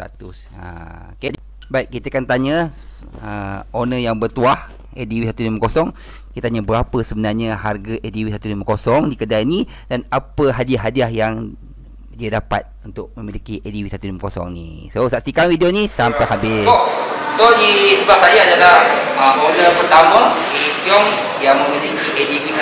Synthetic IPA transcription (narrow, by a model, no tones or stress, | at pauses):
t̪a̰t̪us | a̰ | oke | baiʔ̚kit̪əkant̪aɲə | əonəjaŋbərt̪uah | ʔediwisat̪usliməkosɔŋ | kkit̪ətaɲəbəɾapəsəbənarɲəɦarɡaʔediwisat̪uliməkosɔŋdikədaini | danapəɦadiaɦadiahjaŋ | diadapa̰t̪̚unt̪ʊʔ̚məmilikiʔediwisat̪uliməkosɔ̰ŋnḭsosaʔst̪ikanwidionisampakabɪosodisəbap̚sajaadalahəmʔonəpərt̪amə | ediɔm | jaŋmə̃milikiʔediwi